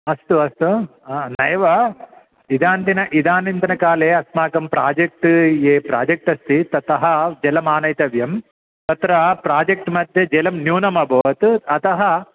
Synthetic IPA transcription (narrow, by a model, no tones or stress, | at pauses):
ɐst̪uɐst̪u | aːnɐjɐʋɐ | id̪aːnt̪inɐʔid̪aːnint̪ɐnɐkaːleːɐsmaːkɐmpɾaːd͡ʒek̚ʈjeːpɾa̰ːd͡ʒek̚ʈɐst̪it̪ɐt̪ɐɦɐd͡ʒɛlɐmaːnɐjt̪ɐʋjɐm | t̪ɐt̪ɾɐpɾaːd͡ʒek̚ʈmɐd̪ʱjɐd͡ʒɛlɐmnjuːnɐmɐbʱɐʋɐt̪ɐt̪ɐɦɐ